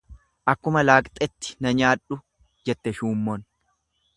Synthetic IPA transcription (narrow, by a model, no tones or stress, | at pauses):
ʔɐkːʊmɐlaːkʼt̪ʼɛt̪ːɪ̥nɐɲaːᶑʊ | d͡ʒɛt̪ːɛʃuːmːɔn